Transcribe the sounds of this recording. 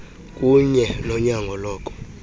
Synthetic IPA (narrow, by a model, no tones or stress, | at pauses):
kʼuɲɛnɔɲaŋɡʱɔlɔːkʼɔ̥